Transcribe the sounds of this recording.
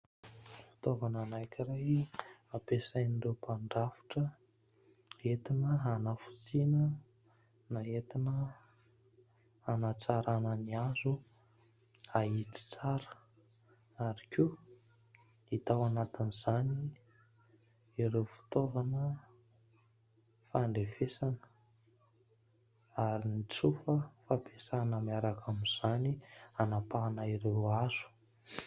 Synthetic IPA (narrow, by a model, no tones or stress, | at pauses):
fi̥t̪ovananajkʲʰiɾajapesajnirewpʰaɳɖ͡ʐafi̥ʈ͡ʂə | et̪inəɦanafu̥t͡sinə | naɦet̪inə | anat͡saɾanəniazu | aɦit͡si̥t͡saɾə̥ | aɾikʲu | it̪awanat̪inizani | iɾewfi̥t̪ovanə | faɳɖ͡ʐefesanə̥ | aɾinit͡sufəfapesanəmiaɾakʰamiz̥anianapaːnaiɾewazu̥